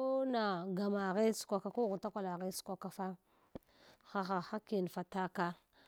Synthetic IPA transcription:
o˦na˨ɡa˨ma˨ɣe˦su̥˨kʷa˨ka˨ko˦ɣu˨ta˦kʷa˦˨la˨ɣe˦su̥˨˦kʷa˦ka˨fa˦ | xa˨xa˨xa˦ki˨n˨fa˨ta˦ka˦

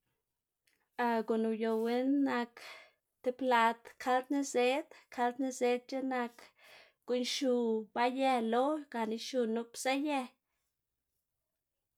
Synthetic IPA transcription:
a˧ɡo˨nu˨jo˧˨we˦nːa˧k | t̪e˧pla˧t̪kʰa˧ld̪ni˦ze˦d̪kʰa˧ld̪ni˧ze˧˦d̪̚t͡ʃe˦na˧k | ɡ̥u˧nʃu˧ba˧je˧lo˦ɡ̥a˨ni˧ʃu˧nu˧psa˦je˧

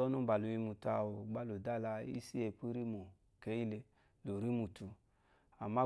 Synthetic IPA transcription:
ɔ˦nu˦˨ba˨lu˧i˧mu˨ta˧˨wo˨ɡ͡ba˦lo˨da˦la˧ḭ˦si˦e˧˨pu˦ɾi˦mo˨ | ke˨˦i˦le˧ | lo˨ɾi˦mu˨tu˧ | a˨ma˦

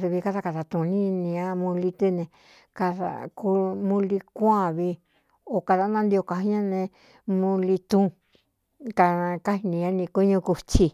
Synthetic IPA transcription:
ɾi˧βi˧ka˧ða˧ka˧ða˧t̪ũ˨˧nĩ˦nĩ˧ã˧mũ˧li˧t̪ɨ˧nẽ˧ | ka˧ða̰˨ku˧mũ˧li˧kʷã˦˧˨βi˧ | o˨ka˧ða˧˦nã˧nd̪i˧o˧ka˧i˦ã˦nẽ˧ | mũ˧li˧t̪ũ˧ | kã˧ka˦hi˧nĩ˧ã˦nĩ˧ku˦ɲũ˧ku˧t͡ʃi˧

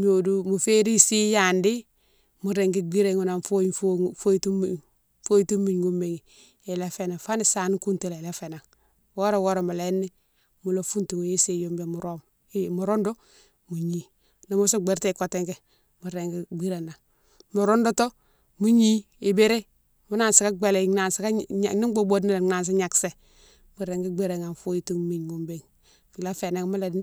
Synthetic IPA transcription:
m˦o˨du˦mu˨fe˦ɾi˦si˦ja˨ndi˦ | mu˨ɾe˨ŋɡi˦ɡ͡bi˦ɾe˦˨ŋu˨na˨nfo˦ffo˦tu˦˨ | fo˦i˦tu˦mːi˨ɲɡu˦mːe˨ŋi˨ | e˨le˦fe˨na˨fa˦ni˨sa˨n˦ku˦nti˦˨le˨le˦fe˨na˨ŋ | wo˦ɾo˨wo˦ɾo˨ma˨le˨˦nːi˦ | mu˨lo˦fu˦ntu˨ŋ˨je˦se˨jo˦mbe˨mu˨ɾo˦m | i˦mu˨ɾo˦ndo˦ | mu˨ɲi˦ | na˨mu˦so˦ɡ͡be˨ɾte˦˨ko˨te˦ŋɡe˦ | mu˨ɾe˨ŋɡi˦ɡ͡bi˦ɾa˨na˨ | mu˨ɾo˦ndo˦to˦ | mu˦ɲi˦ | i˨be˦ɾe˦ | mu˦na˦˨nsi˨ka˦ɡ͡be˨le˨na˨nsi˦ka˦a̰˨ni˦ɡ͡bo˦bo˦dna˦la˨na˨ns̬i˦ɲa˨kse˨ | mu˨ɾe˨ŋɡi˦ɡ͡be˦˨ɾe˨ŋa˨n˨fu˦ji˦tu˦ŋ˦mi˨ɲwo˨mbe˦˨ŋ | fi˨la˦fe˨na˦ŋ˦mu˦la˨˦

